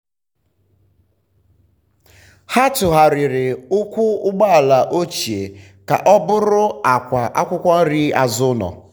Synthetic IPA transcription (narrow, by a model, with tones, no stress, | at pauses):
ha˦tʊ˨ɦa˨ɾɪ˨ɾɪ˨ʊ˦kʷʊ˦ʊ˦ɡ͡ba˦a˨la˨ʔo˦t͡ʃi˨e˨ | ka̰˨ʔɔ˦bʊ˦ɾʊ˦a˨kʷa˨ʔa˦kʷʊ˦kʷa˦n̩˦ɾi˦a˨zʊ˦nɔ̰˨